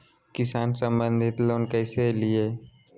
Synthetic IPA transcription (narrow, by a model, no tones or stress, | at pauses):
kɪsaːnsə̃mbə̃nd̪ʱɪt̪loːnkɛːselieː